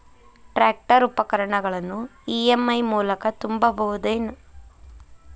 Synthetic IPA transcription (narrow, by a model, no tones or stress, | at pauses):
ʈɾaːk̚ʈɐɾupːɐkɐɾɐɳɐɡɐɭɐnːuiemːɐjmuːlɐkɐt̪umbɐbɐɦud̪eːnu